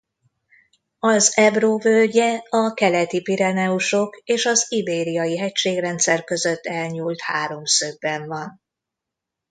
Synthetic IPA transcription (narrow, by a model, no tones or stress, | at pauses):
ɒzɛbroːvølɟɛɒkɛlɛt̪ipiɾɛnɛuʃo̞keːʃɒzibeːɾijɒjiɦɛcʃeːɡrɛnt̪sɛrkø̞zø̞t̪ːɛlɲuːlt̪haːɾo̞msøbːɛɱvɒn